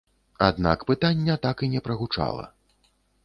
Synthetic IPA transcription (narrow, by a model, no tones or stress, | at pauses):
a̰d̪na̰kpɨt̪anʲːɛt̪akinʲɛpɾɐɣut͡ʂa̰lˠɐ̰